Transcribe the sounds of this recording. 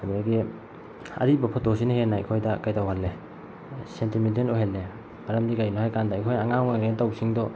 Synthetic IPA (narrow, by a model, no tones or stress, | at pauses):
abaɡi | ɐ̰ɾibɐpʰɔtosinahenːaj̰kʰojdɐkajtawhalːe | sentimitenoɦelːe | maɾɐmdikajnɔhajkandajkʰojaŋaŋaŋɡentawsiŋdɔ